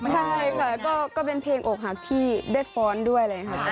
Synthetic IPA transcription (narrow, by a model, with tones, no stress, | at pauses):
t͡ɕʰa˥˩jkʰa˧˩kɔː˥˩kɔː˥˩pe˧npʰeː˧ŋʔoː˨˩k̚ɦa˨˩t̪ʰiː˥˩da˥˩jfɔː˦˥ndu˥˩əjla˨˧˩ŋa˦˥kʰa˦˥p̚